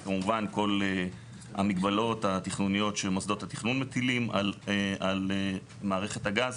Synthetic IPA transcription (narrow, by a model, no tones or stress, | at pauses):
kamuvanko̞le | a̰miɡbalo̞t̪at̪iχnunijo̞tʃemosd̪o̞t̪hat̪iχnunmet̪ilima̰lale | maːʁe̞χe̞t̪haɡaz